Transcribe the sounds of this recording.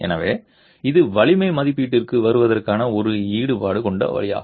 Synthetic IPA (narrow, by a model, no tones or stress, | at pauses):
ɛ̰nɐʋeː | ɪðɯʋɐɭɪmɐɪmɐðɪpːiːʈːɪrkɯʋɐɾɯʋɐðɐrkaːnɐɔɾɯiːɽɯpaːɽɯkɔɳɖɐ̰ʋɐ̰ɭɪja̰ː